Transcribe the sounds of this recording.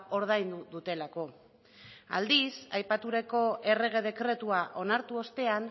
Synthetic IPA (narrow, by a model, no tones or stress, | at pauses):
o̞ɾð̞ajnd̪uðut̪e̞lako̞ | a̰ld̪isajpat̪uɾe̞ko̞ʔe̞re̞ɣ̞e̞ð̞e̞kɾe̞t̪uaʔo̞naɾt̪uo̞st̪e̞an